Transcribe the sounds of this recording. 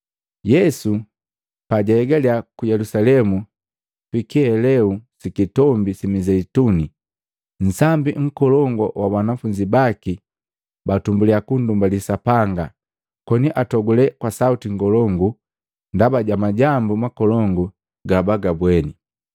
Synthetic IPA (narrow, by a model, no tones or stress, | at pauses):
jɛsu | paɟaɛɡaliakujɛlusalɛmu | fikiɛlɛusikitɔmbisimizɛituni | n̩sambiŋ̩kɔlɔŋɡɔwabanafuɲɟibaki | batumbuliakundumbalisapaŋɡa | kɔniʔatɔɡulɛkwasautiŋɡɔlɔŋɡu | ndabaɟamaɟambumakɔlɔŋɡu | ɡabaɡabwɛni